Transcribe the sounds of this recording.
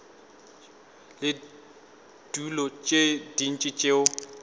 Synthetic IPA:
lɪ | d̥ulɔt͡ʃʼed̥in̩t͡ʃʼɪt͡ʃʼeʊ

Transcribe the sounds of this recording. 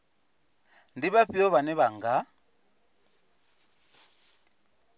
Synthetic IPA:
n̩diβaɸiɔβanɛβaŋ̩ɡa

